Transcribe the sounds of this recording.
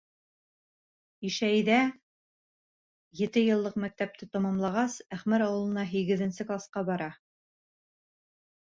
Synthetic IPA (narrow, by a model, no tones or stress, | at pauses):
iʃæjðæ | jɘ̆t̪ɘjɤ̆lˠːɤqmæk̚t̪æp̚t̪ɘt̪ɑmɑmlˠɑʁɑsæχmæɾɑwɤ̆lˠɤ̆nɑɦiɡɘ̆ðɘ̆nsɘklˠɑsqɑbɑɾɑ